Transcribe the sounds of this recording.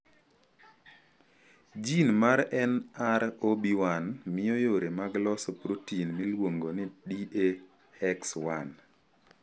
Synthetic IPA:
d͡ʒinmaɾɛnaɾobiwanmɪɔjoɾemaɡlɔsopɾotinmilwoŋɡonɪdiʔe | ɛkswan

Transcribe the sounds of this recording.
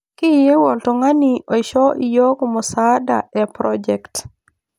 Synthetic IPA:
kijewɔltɔŋaniʔoʃɔʔijɔkumɔsada̰ɛpɾɔd͡ʒɛkt

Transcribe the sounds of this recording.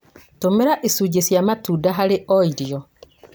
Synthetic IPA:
tomeɾaʔesuːɟesjamatuːdaɦaɾeʔɔiɾjɔ

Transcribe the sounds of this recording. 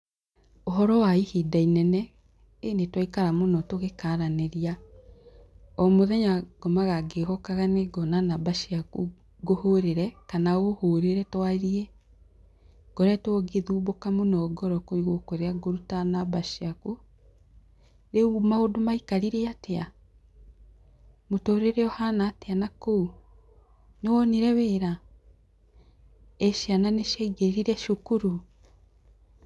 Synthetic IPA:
oɦɔɾɔwaihedainɛnɛ | enetwaikaɾamonɔtoɣekaɾaneɾia | ɔmoðɛɲaɡ̥ɔmaɣaɡeɣɔkaɣaneɡɔnanabaʃiaku | ɡohoɾeɾɛkanaohoɾeɾɛtwaeɾiɛ | ɡ̥ɔɾɛtwɔɡeðuːbokamonɔːɡɔɾɔkoiɣokoɾeaɡoɾutanabaʃiaku | ɾeumaodomaikaɾiɾeatea | motoːɾeɾɛɔhanaːteanakou | newɔniɾɛweːɾa | eʃananeʃeɡeɾiɾɛʃukuɾu

